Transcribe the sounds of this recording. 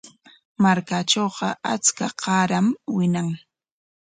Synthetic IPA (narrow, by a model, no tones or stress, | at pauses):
maɾkaʈ͡ʂoːɢɑat͡skaqɑːɾamwɪnaŋ